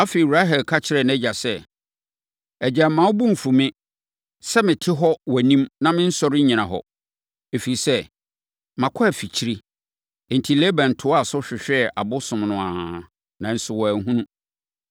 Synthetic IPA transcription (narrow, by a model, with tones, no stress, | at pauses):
a˦fe˨i˨ɾa˦ɦɛ˨lkʰa˦t͡ɕʰɪ˨ɾɛ˨nɛ̃˦d͡ʑa˨sɛ˦ | ɛ˨d͡ʑa˨˦mã˨˦ʊ˦bũ˦m̩˨fu˨mɪ̃˦ | sɛ˦mɪ̃˨tʰɪ˦ɦɔ˦wæ˨nĩ˦mnã˦mɪ̃˦n̩˦sɔ˦ɾɪ˦ɲĩ˨nã˨ɦɔ̰˨ | e˨fi˨i˨sɛ˦ | mã˨kʰɔ˦æ˨fi˨t͡ɕʰi˦ɾi˦˨ | n̩˨tʰi˨le˦bã˨n̩˨tʰʊ˨˦a˨sʊ˦ɕᶣɪ˨ɕᶣɛ˨a˨bʊ˦sʊ̃˨mnʊ̃˨ã˨ | nã˨n̩˦sʊ˨wɔ˨æ˨ŋ˦ɦũ˦nũ˦